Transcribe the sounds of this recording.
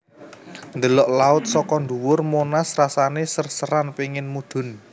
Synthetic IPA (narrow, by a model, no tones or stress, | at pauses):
nd̪əlɔʔlaʊt̪̚sɔkɔnd̪uwʊrmonasrasanesərsəɾanpiŋɪnmud̪̥ʊ̤n